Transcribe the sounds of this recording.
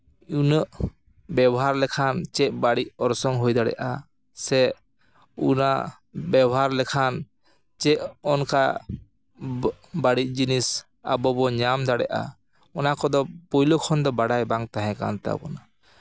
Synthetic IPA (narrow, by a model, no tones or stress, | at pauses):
unəʔ | bɛbɔɦaɾlɛkʰant͡ʃɛʔ̚baɽic̚ɔɾsɔŋɦɔjd̪aɽɛ̰ʔa | sɛ | una | bɛbɔɦaɾlɛkʰan | t͡ʃɛʔɔnka | baɽic̚ˀd͡ʒinis | a̰bɔbɔɲamd̪aɽɛ̰ʔa̰ | ɔnakɔd̪ɔpɔjlokʰɔnd̪ɔbaɽajbaŋt̪aɦɛ̃ka̰nt̪ɛa̰bɔna